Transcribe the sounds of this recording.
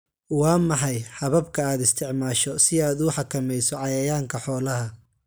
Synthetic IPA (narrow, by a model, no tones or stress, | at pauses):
wɑːmɐħɑjħɑβɐb̚kʰɐaːd̪ɪst̪ʰɪʕmaːʃɔsɪaːd̪ʊħɑkʰɐmɛjsɔʕɑjɐjaːŋkʰɐħɔːlɐɦɐ